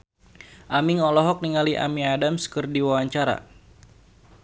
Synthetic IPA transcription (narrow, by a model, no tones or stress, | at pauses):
ʔamiŋɔlɔɦɔk̚niŋaliʔa̰miadamskɨrdiwawaɲt͡ʃaɾa̰